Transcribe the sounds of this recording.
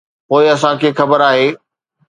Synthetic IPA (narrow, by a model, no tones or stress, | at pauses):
poːɪɐsãkʰeːxɐbəɾaːɦeː